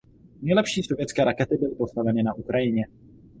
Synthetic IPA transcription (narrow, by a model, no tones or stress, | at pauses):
nɛjlɛpʃiːsovjɛt͡skɛːɾakɛt̪ɪbɪlɪpo̞st̪avɛnɪnaʔukɾʔajɪɲɛ